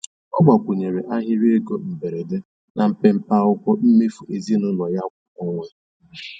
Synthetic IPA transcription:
ɔ˦ɡ͡ba˨kʷu˨ɲe˨ɾe˨ʔa˦ɦɪ˦ɾe˦ɡo˦m̩˨be˨ɾe˨de˦ | na˨m̩˦pe˦m̩˦pa˦ʊ˦kʷɔ˦m̩˦me˦fu˨ʔe˨zi˦nʊ˦nɔ˨ja˦kʷa˨ɔ˦ŋʷe˦

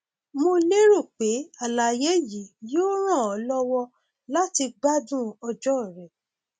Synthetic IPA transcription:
mo˧le˦ɾo˦˨k͡pe˨˦a˦˨la˨je˦ji˨˦joː˦ɾ̃ã˦˨ɔ˨˦lɔ˦wɔ˧ | la˦ti˧ɡ͡ba˦dũ˦ɔ˧d͡ʒɔ˦˨ɾɛ˨

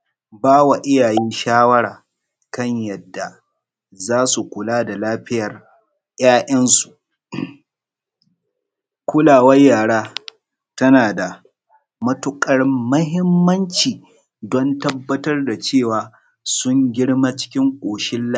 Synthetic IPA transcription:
baː˦wa˨ʔɪ˦jaː˨jiː˦nʃaː˦wɐ˦ɽaː˨ | kɐ˦˨ɲjɐ˨dːa˨ | zaː˦su˨kʷʊ˨laː˦da˨laː˦ɸɪ˦jɐ˨r | j̰aː˦ʔɐ˦nsu̥˨ʔ | kʷʊ˦laː˨wɐ˦jːaː˨ɽaː˦ | tɐ˦naː˨da˨ | mɐ˦tʊ˦kʼɐ˦rmɐ˦ɦɪ˦mːɐ˦nt͡ʃiː˨ | dɔ˦ntɐ˦bːɐ˦tɐ˦rda˨t͡ʃeː˦˨waː˨ | sʊ˦ŋɡʲɪ˦ɽma˦t͡ʃɪ̥˦kʲɪ˦ŋkʷʼoː˨ʃɪ˦lː

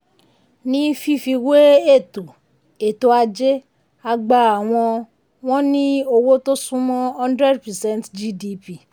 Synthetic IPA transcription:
nĩ˦fi˦fi˧we˦e˦˨to˨ | e˨to˧a˧d͡ʒe˦ | a˧ɡ͡ba˧a˨w̃ɔ̃˧ | w̃ɔ̃˦nĩ˦o˧wo˦to˦sũ˦mɔ̃˦ɔ̃˦ndɾɛ˦dpɛ˨sɛ̃˦ntd͡ʒi˦di˧pi˦˨

